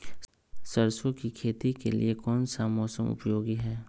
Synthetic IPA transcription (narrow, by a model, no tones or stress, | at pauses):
səɾsokikʰeːt̪ikelḭekɔːnsamɔːsəmʊ̰pjoːɡiɦɛː